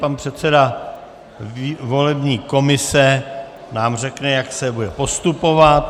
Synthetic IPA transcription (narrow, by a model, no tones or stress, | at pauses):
panpr̝̥ɛt̪sɛda | vo̞lɛbɲiːko̞mɪsɛ | naːmr̝ɛknɛjaksɛbudɛpo̞st̪upo̞vat̪